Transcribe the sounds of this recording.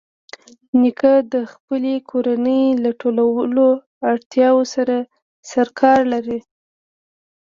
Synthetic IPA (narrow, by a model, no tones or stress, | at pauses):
nikad̪əxpəlekʰoɾanəjlaʈolawəlo | aɽt̪jɑwosaɾa | saɾkʰɑɾlaɾi